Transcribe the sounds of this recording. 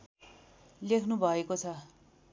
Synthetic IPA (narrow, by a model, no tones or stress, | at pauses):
lekʰnubʱʌekot͡sʰʌ